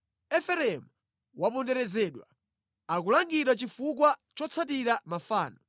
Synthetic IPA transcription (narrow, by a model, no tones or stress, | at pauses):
ɛfɛɾɛmu | wapɔndɛɾɛzɛːɗwa̰ | akulaŋɡiɾwat͡ʃifuk̬wat͡ʃɔt͡sʰat̬iɾamafaːnɔ